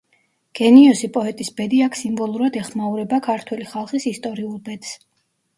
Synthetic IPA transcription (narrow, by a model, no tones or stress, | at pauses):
ɡ̥ɛniɔsipʼɔɛt̪ʼisbɛd̪iakʰsimbɔlˠuɾad̪ɛχmauɾɛbakʰaɾt̪ʰwɛliχalˠχisist̪ʼɔɾiulˠbɛd̪̥s